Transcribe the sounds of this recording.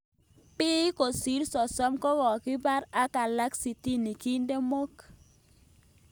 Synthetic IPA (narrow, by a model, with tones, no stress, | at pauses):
pɪ˦ko˨si˦lsɔ˨sɔ˦mkɔ˦ɣɔ˨kɪ˦ba˦ɾa˦ka˨la˦ksi˨ti˦ni˨ki˦nde˦mo˦k